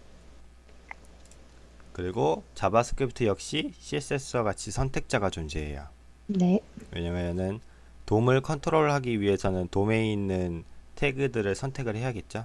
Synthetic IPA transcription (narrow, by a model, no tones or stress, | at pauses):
kɯɾiɡot͡ɕabasʰɯ̥kʰipʰtʰɯjʌk̚ɕ͈iɕʰis͈es͈ʰʌɡat͡ɕʰisʰʌntʰe̞k̚t͡ɕ͈aɡat͡ɕund͡ʑeɦḛja̰ | newe̞̰ɲameʌnɯn | tomɯɭkʰʌntʰɯɾoɾɭɦaɡiɥiɦe̞sʰʌnɯntome̞inːɯntʰe̞ɡɯdɯɾɯɭsʰʌntʰe̞ɡɯɭhe̞jɦaɡe̞t̚t͡ɕ͈a